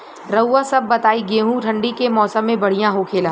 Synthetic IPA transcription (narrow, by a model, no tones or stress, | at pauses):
ɾɐwːasɐbːɐt̪aːiɡeːɦũʈʰɐ̃ɳɖikemɔːsəmːẽbɐɽ̤ijãɦokʰeːlãː